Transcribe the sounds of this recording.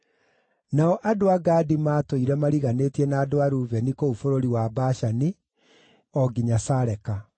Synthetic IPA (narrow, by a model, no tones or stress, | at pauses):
naɔʔadoaɡadimaːtoiɾɛmaɾiɣaneːtiɛnaːdoaɾuvɛnikoufoɾoɾiwabaʃani | ɔɡiɲasaɾɛka